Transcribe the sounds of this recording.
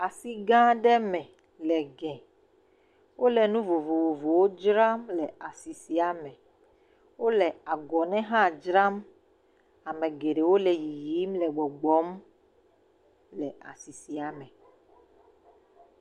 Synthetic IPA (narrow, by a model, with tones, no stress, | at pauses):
a˨si˦ɡã˦ɖɛ˦mɛ̃˨ | lɛ˨ɡɛ̃˨ | wo˦lɛ˨nũ˦vo˨vo˨vo˨vo˨wo˦d͡ʒɾa˦mlɛ˨a˨si˨si˨a˨mɛ̃˨ | wo˦lɛ˨a˨ɡɔ˨nɛ̃˦ɦã˦˨d͡ʒɾa˦m | a˨mɛ̃˨ɡe˨ɖe˨wo˦lɛ˨ji˨ji˦mlɛ˨ɡ͡bɔ˨ɡ͡bɔ˨˦m | lɛ˨a̰˨si˨si˨a˨mɛ̃˨